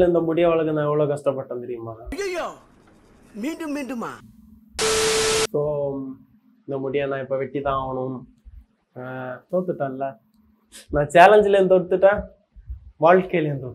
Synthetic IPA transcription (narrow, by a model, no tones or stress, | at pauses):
lɪnd̪ɐmʊɽɪjɐʋɐɭɐkːɯnãːɛʋːɐɭoːkɐʂʈɐpːɐʈːɐ̃nt̪ɛɾɪjɯmːaːjojoː | miːɳɖɯmːiːɳɖɯma̰ː | soː | ɪnd̪ɐmʊɽɪjɐ̃nãːɪpːoːʋɛʈːit̪ːãːaːɣɐɳʊm | t̪oːɽt̪ːɯʈːãːɪlːɐ | nãːt͡ʃaːlɐɲd͡ʒɪlent̪ɔɽt̪ːɯʈːãː | ʋaːɭʈkeːlent̪ɔ